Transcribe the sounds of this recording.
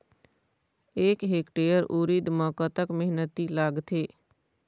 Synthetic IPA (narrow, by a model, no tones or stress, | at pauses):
eːkɦeːkʈeːjəɾʔuːɾid̪mɔːkət̪əkmeɦnət̪ilaːɡt̪ʰeː